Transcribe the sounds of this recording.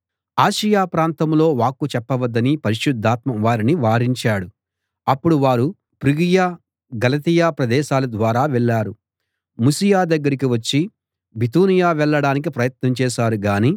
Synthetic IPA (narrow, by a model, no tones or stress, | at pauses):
aːʃijaːpɾaːnt̪ɐmlo̞ːʋaːkːut͡ʃɛpːɐʋɐd̪ːɐnipɐɾiʃud̪ʱːaːt̪mɐmʋaːɾiniʋaːɾiɲt͡ʃaːɽu | ɐpːuɽuʋaːɾu | pɾiɡijaː | ɡɐlɐt̪ijaːpɾɐd̪ɛːʃaːlɐd̪ʋaːɾaːʋɛɭːaːɾu | musijaːd̪ɐɡːɐɾikiʋɐt͡ʃːi | bit̪uːnijaːʋɛɭːɐɽaːnik̬ipɾɐjɐt̪nɐmt͡ʃɛːʃaːɾuɡaːniː